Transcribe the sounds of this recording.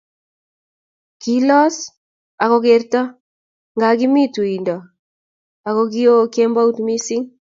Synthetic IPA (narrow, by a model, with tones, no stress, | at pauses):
ki˦lɔ˦s | a˨kɔ˦k̬e˨ɾtɔ˦ | ŋɡa˨ki˦mi˦tu˨i˨ndɔ˨ | a˨kɔ˦k̬i˦o˦kɛ˦mba˦u˦tmi˦si˦ŋ